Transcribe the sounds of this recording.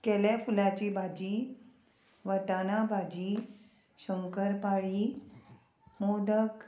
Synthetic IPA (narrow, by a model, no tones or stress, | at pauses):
kɛlafulat͡ɕibʱad͡ʑiː | ʋəʈanabʱad͡ʑiː | ɕəŋkəɾpaɭiː | mod̪ək